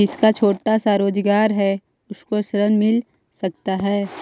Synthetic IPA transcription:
ɪskat͡ʃʰoːʈasaːɾoːd͡ʒɡaːɾɦɛ | ʊskoʃəɾənmɪl | sɐk̚t̪aɦɛː

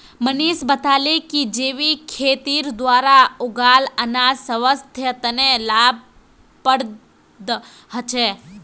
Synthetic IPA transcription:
məniːʃbɐt̪aːlekid͡ʒeːʋikʰeːt̪iːɾd̪wʋaːɾaʊɡaːlɐnaːsɐʋəst̪ʰjət̪ənelaːb̚ | pəɽ | d̪ | ɦɐt͡ʃe

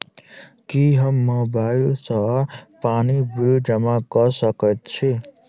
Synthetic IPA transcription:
kiɦʌmːʌbajlsʌɦʌpanibuɾud͡ʒʌmaɡʌsʌkʌt̪t͡sʰi

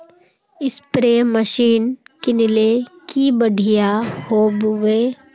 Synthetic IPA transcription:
ɪspɾeməʃiːnkenɪlekibəɽʱijahoːbʋeː

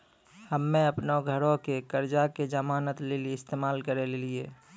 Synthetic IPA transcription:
həmːẽəpnoɡʱəɾõkekəɾd͡ʒaked͡ʒəmaːnət̪leliɪst̪eːmaːlkəɾelelieː

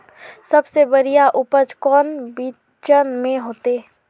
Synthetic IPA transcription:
sɐbsebəɾijaʔʊpət͡ʃkɔːnbiː | t͡ʃənmẽɦoːt̪eː

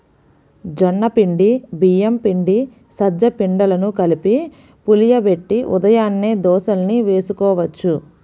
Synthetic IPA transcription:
d͡ʒɔnːɐpiɳɖibijɐmpiɳɖi | sɐd͡ʒːɐpiɳɖɐlɐnukɐlipi | pulijɐbe̞ʈːiʔud̪ɐjaːnːeːd̪ɔːʃɐlniʋe̞ːsukɔːʋɐt͡ʃːu

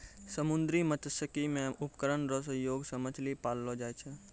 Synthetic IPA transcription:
səmʊnd̪ɾimət̪əsəkimẽʊpkəɾənɾosəjoːɡsəməd͡ʒʱlipaːlːod͡ʒaːet͡ʃʰɛ

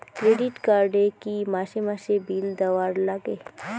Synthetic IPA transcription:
kɾeːɖiʈkaːɾɖekimaːʃemaʃebiːld̪ɐʋaːɾlaɡe

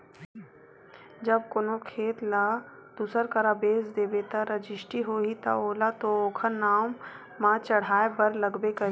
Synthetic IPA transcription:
d͡ʒɐb̚konokʰeːt̪lad̪̥usəɾkɐɾabeːsd̪eːbeːt̪aɾəd͡ʒɪʃʈiɦoːɦit̪a̰oːlat̪ooːkʰənaːmː | ãt͡ʃɐɽ̤aːebɐɾlɐɡbekɐɦ

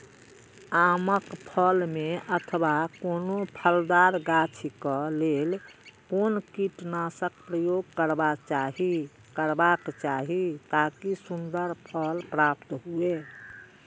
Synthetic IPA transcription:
aməkpʰəlmeʔət̪ʰəbakonopʰəld̪aɾɡat͡ʃʰikəlelkonkiʈnasəkpɾəjoɡkəɾbat͡ʃaɦi | kəɾbakt͡ʃaɦit̪akisund̪əɾpʰəlpɾap̚t̪ɦue

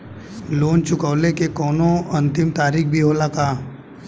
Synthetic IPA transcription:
loːnt͡ʃʊkəʋlekekɔːnõɐ̃nt̪ɪmt̪aːɾiːkbʱiɦoːlakaː

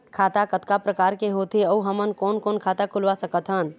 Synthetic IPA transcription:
kʰat̪akət̪kapɾəkaɾkeɦot̪ʰeəuɦəmənkonkonkʰat̪akʰulʋasəkət̪ʰɦən

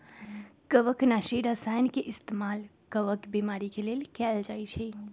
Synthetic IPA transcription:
kəʋəknaʃiɾəsajnkeʔɪst̪emal | kəʋəkbimaɾikelelkɛld͡ʒajt͡ʃʰɛ

